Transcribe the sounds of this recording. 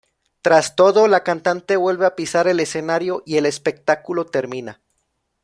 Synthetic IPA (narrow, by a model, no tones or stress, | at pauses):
t̪ɾast̪o̞ðo̞lakant̪ant̪e̞βwe̞lβe̞apisaɾe̞le̞se̞naɾjo̞ʔie̞le̞spe̞k̚t̪akulo̞t̪e̞ɾmĩna